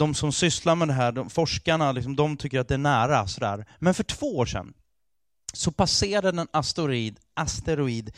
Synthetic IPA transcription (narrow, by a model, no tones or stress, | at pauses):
d̪ɔmsɔmsʏslaɾmɛd̪ɛɦæːɖɔmfɔʂkaɳalɪksɔmd̪ɔmt̪ʰʏkːəɾat̪̚d̪ɛæɳæːɾasɔd̪æ̰ːɾmɛnfœʈʰv̥oːoːʂɛ̰nː | sɔpʰaseːɾaɾadɛnast̪ʊɾiːd̪ | ʔast̪ɛɾʊiːd̪